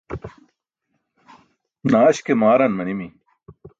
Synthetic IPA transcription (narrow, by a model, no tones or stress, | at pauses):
naːɕkemaːɾɐnmɐnimi